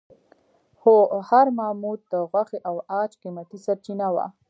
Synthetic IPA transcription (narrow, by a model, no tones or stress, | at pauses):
hohaɾmamud̪̚d̪əɣwaxeʔawɑt͡ʃqimat̪isaɾt͡ʃinawa̰